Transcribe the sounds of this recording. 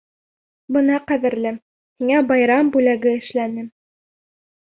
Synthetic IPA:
bɤ̆nɑqæðɘ̆ɾlɘ | hiŋæbɑjɾɑmbʉlæɡɘɘ̆ʃlænɘm

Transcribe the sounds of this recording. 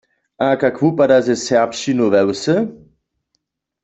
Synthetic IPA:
ʔakakvupadazɛsɛʁpʃinovɛwsə

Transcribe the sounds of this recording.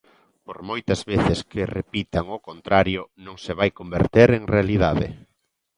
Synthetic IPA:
poɾmojt̪ɐzβeθɪskɪrepit̪aŋokont̪ɾaɾjʊnõŋsɪβajkombeɾt̪eɾeŋrealiðaðɪ̰

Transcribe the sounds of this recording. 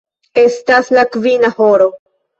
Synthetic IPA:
e̞staslakvinahoɾo̞

